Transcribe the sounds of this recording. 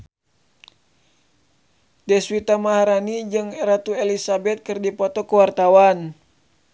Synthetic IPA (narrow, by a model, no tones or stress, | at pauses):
dɛswit̪amaɦaɾanid͡ʒɨŋɾat̪uelisabɛt̪̚kɨrdipɔt̪ɔkuwart̪awan